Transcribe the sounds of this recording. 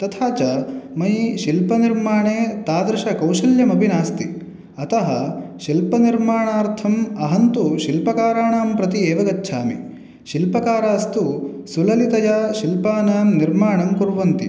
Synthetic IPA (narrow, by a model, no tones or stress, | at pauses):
t̪ɐt̪ʰaːt͡ʃɐmɐjʃilpɐniɾmaːɳeːt̪aːd̪ɾɐʃɐkɐwʃɐljɐmɐbʱinaːst̪i | ɐt̪ɐɦɐʃilpɐniɾmaːɳaːɾt̪ʰɐmɐɦɐnt̪uʃilpɐkaːɾaːɳaːmpɾɐt̪ieːʋɐɡɐtːʃʰaːmḭ | ʃilpɐkaːɾaːɐst̪usulɐlit̪ɐjaːʃilpaːnaːmniɾmaːɳɐmkuɾʋɐnt̪i